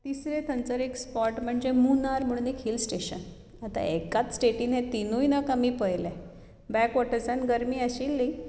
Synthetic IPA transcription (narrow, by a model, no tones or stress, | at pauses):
t̪isɾẽt̪ʰənt͡səɾekspɔʈm̤əɳd͡ʑemunaɾm̤uɭ̃nikʰilsʈeɕə̰n | at̪a̰ekat͡ssʈeʈĩːnɦẽt̪inujnakamĩpəjlɛ̃ | bɛkʋɔʈəɾd͡zanɡəɾmiːəɕilːi